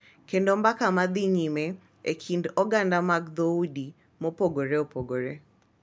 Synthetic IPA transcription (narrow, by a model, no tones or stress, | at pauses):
kendombakamad̪iɲimɛ | ekʰindɔɡandamaɡd̪oudi | mɔpoɡoɾeopoɡoɾe